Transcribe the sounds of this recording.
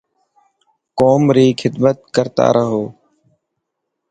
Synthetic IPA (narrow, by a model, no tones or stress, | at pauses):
koːmɾiːkʰɪd̪mət̪̚kəɾt̪a̰ːɾəɦoː